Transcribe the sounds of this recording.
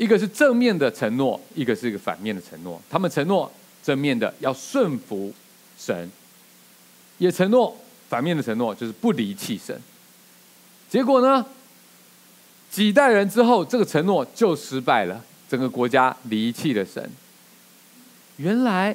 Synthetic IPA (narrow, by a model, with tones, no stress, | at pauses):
i˥ɡə˨ʂ̬ɻ̩˥˧ʈ͡ʂə˥˧ŋmjɛ˥˩nd̪ə˩ʈ͡ʂʰə˧˥ŋnwɔ˥˩i˥ɡə˨˧ʂɻ̩˥˩i˧˥ɡə˨fa̰˨˩nmjɛ˥˩nd̪ə˩ʈ͡ʂʰə̰˧˥ŋnwɔ̰˥˩t̪ʰa˥mə˨nʈ͡ʂʰə˧˥ŋnwɔ˥˩ | ʈ͡ʂə˥˧ŋmjɛ˥˩nd̪ə̰˩jɑ˥˧ʊʂwə˥˩nfu˧˥ | ʂə̰˧˥n | jɛ˨˩ʈ͡ʂʰə˧˥ŋnwɔ˥˩ | fa˨˩nmjɛ˥˩nd̪ə˩ə˧˥ŋnwɔ˥˧t͡ɕjo˥˧ʊʂɻ̩˥˧˩pu˥˩li˧˥t͡ɕʰi˥˩ʂə̰˧˥˦n | t͡ɕjɛ˧˥kwɔ˨˩nə˦ | t͡ɕi˨˩t̪̬a˥˩ɪɻə˧˥nʈ͡ʂɻ̩˥xo˥˧ʊʈ͡ʂɤ˥˩ɡə˩ʈ͡ʂʰə˧˥ŋnwɔ˥˨t͡ɕjo˥˩ʊʂɻ̩˧˥pa˥˩ɪlə̰˩ | ʈ͡ʂə˨˩ŋɡə˦kwɔ˧˥t͡ɕja˥li˧˥t͡ɕʰi˥˩lə˩ʂə̰˧˥n | ɥɛ˧˥nla˧˥ɪ